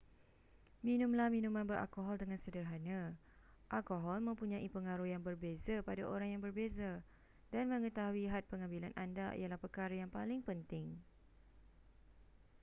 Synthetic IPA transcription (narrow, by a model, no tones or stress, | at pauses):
mĩnũmlamĩnũmãnbərʔa̰lkoɦɔldəŋãnsədərɦanã | ʔalkoɦɔlmə̃mpuɲãʔipəŋaɾujaŋbərbezapadaʔoɾaŋjaŋbərbeza | danmə̃ŋə̃t̪aɦuiɦat̪̚pəŋambilanʔa̰nda̰ʔḭalahpərkaɾajaŋpalɪŋpənt̪ɪŋ